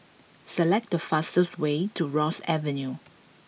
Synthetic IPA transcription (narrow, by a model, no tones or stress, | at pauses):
səlɛk̚dəfastəswetʰuɹɔsɛvɛ̃nju